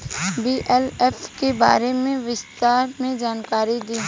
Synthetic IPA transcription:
biːʔɛlɛfkeba̰ːɾemẽʋɪst̪aːɾmẽd͡ʒaːnkaːɾid̪iː

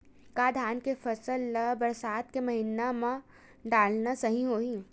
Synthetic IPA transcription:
kaːd̪ʱaːnkefɐsəlbɐɾsaːt̪kemɐɦinamã | ɖaːlnasɐɦĩɦoːĩː

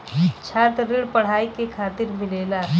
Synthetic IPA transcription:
t͡ʃʰaːt̪ɾɪɽpəɽ̤aːikekʰaːt̪ɪɾmɪleːla

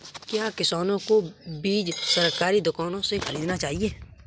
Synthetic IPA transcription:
kjaːkɪsaːnõkobiːd͡ʒsɐɾkaːɾid̪ʊkaːnõsexʰɐliːd̪enat͡ʃaːɦieː

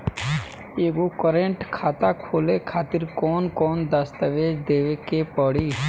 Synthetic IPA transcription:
eːɡokəɾẽɳʈkʰaːt̪akʰoːlekʰaːt̪ɪɾkɔːnkɔːnd̪əst̪əʋeːd͡ʒd̪eːʋekepɔɽiː

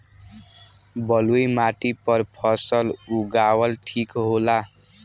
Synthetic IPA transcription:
bʌlujmaʈ̪ipʌrpʰʌsʌluɡawʌlʈʰikɦola

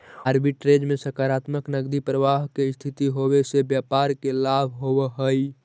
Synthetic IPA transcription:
aɾbiʈɾed͡ʒmesəkaɾat̪məknəɡd̪ipɾəʋaɦkest̪ʰit̪iɦobesebjapaɾkelabʱɦobəɦəj

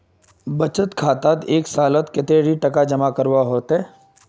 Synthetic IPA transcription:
bɐt͡ʃət̪kʰaːt̪at̪eːksaːlət̪kɪt̪eɾiʈɐkad͡ʒɐmakəɾwaɦoːt̪ɦɛː

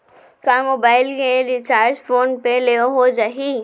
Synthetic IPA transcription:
kaːmoːbaːɪlkeɾɪt͡ʃaːɾt͡ʃfʰoːnpeleoɦod͡ʒaɦi

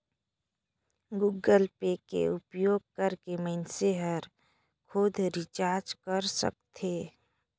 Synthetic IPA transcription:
ɡuɡəlpekḛʊpjoːɡ̚kəɾkeməɪnseɦəɾ | kʰoːd̪ʱɾɪt͡ʃaːɾd͡ʒkəɾsə̰k̚t̪ʰeː

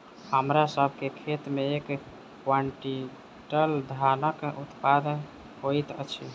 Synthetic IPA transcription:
həmɾasəbʱkekʰet̪meek | kwəɳʈi | ʈəld̪ʱanəkut̪pad̪ən | ɦojt̪ət͡ʃʰi

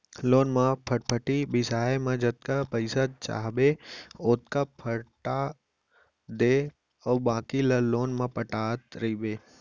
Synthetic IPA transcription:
loːnmãpʰəʈpʰəʈibɪsaːemãd͡ʒɐt̪̚kapəɪsat͡ʃa̰ːɦbeoːt̪kapʰɐɽʈa | d̪eː | ɔːbaːkilɐloːnmãpəʈaːt̪ɾɐibeː

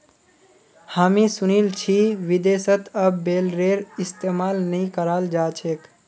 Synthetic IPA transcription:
haːmĩsʊnilt͡ʃʰiʋid̪esət̪əbːeːlɾeːɾɪst̪emaːlnəĩkəɾaːld͡ʒaːt͡ʃʰek

